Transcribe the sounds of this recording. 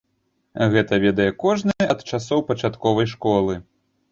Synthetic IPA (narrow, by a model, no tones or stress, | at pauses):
ɣɛt̪ɐvʲɛd̪ɐjɛkɔʐnɨjɐt̪t͡ʂasɔwpɐt͡ʂat̪kɔvɐjʂkɔlˠɨ